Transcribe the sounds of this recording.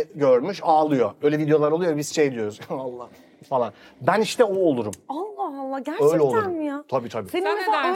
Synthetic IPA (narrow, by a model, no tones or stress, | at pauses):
ɟøɾmyʃaːlˠɯjoøjlʲɛvid̪ejo̞lˠaɾo̞lˠjoɛbizʃejd̪ijo̞ɾuzalˠːah | falˠanbæniʃt̪ʰɛoːlˠuɾumalˠːɑhalˠːaɟæøjlʲɛolˠuɾmmijat̪ʰabiːt̪ʰabiːsenina